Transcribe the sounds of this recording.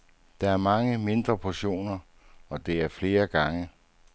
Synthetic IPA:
d̥ɑ̈æɐmɑ̈ŋəme̝nd̥ʁɐpʰoɕo̝̰ːnɐ | ɒ̽d̥e̝æɐfle̝ːɐɡ̥ɑ̈ŋə

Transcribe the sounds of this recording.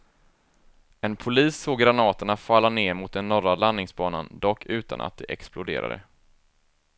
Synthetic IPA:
ɛnpʰʊliːsːoːɡɾanɑːt̪əɳafalːaneːɾmʊt̪̚d̪ɛnːɔɾalanːɪŋsbɑːnand̪ɔkʰːʉ̟ːt̪a̰nʔa̰t̪̚d̪ɛʔɛksplʊd̪ḛːɾa̰d̪ə̰

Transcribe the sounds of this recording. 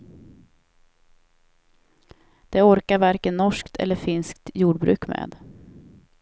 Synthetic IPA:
d̪̥ɛɔɾkaɾvaɾkənːɔʂkt̪ʰɛ̰lːəɾfɪnskt̪juːɖbɾʉ̟ːkmḛːd̪

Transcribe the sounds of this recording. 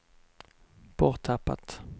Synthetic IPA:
b̥ɔʁt̪ʰːapːa̰t̪

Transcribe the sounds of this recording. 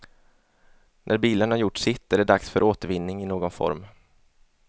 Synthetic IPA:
nʔæɾbiːlənhaɾjʊʈːsɪt̪ːæɖɛɖaksfœɾʔoːt̪əɾvɪnːɪŋɪnoːɡɔnfɔ̰ɾm

